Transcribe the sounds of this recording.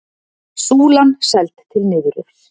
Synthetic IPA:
suːlansɛlt̪t̪ʰːɪlnɪːðʏɾʏ̥

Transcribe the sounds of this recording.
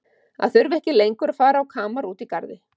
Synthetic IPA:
a̰ðθʏɾvɛhcɪlejŋkʏɾafaːɾawkʰaːmaɾuːt̪ikaɾðɪ

